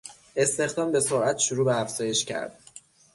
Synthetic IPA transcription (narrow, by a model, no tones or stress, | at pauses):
e̞st̪e̞xd̪ɒːmbe̞soɾʔæt̪ʰʃuɾuːbeæfz̥ɒːje̞ʃcʰæ̰ɾd̪̥